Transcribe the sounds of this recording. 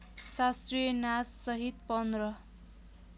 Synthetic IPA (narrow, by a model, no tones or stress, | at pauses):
sast̪rijʌnassʌɦit̪pʌnd̪rʌ